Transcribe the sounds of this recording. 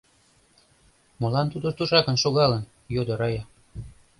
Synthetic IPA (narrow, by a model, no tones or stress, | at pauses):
mŏlɑnt̪ud̪ŏt̪uʃɑkə̆nʃoɣɑlən | jod̪ɤ̆ɾɑjɑ